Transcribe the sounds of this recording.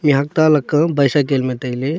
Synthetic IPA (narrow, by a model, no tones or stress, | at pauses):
miɦɐk̚t̪aləkːə̃bəjsakelmẽt̪əjle